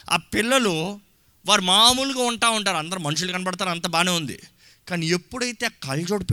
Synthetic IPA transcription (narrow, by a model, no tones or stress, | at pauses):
a̰ːpilːɐlu | ʋaːɾumaːmuːluɡaːuɳʈaːuɳʈaːɾɐnd̪ɐɾumɐnuʂ̬ulkɐnibɐɽɐt̪aːɾɐnt̪ɐbaːneːund̪ḭ | kaːnie̞pːuɽɐjt̪ekɐld͡ʒoːɽp